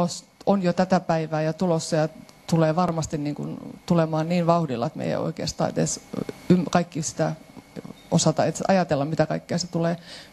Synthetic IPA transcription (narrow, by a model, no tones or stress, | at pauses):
os | onjot̪æt̪æpæiʋæːjɑt̪ulosːɑjɑ | t̪uleːʋɑrmɑst̪inniːŋkṵnt̪ulemɑːnniːnʋɑuhdilːɑt̪mḛijæ̰o̰ikḛːst̪ɑ̰ːḛt̪ḛsymkɑikːisi̥t̪æ | ʔosɑt̪ɑet̪ɑ̰jɑt̪elːɑmmit̪ækɑikːeɑset̪uleː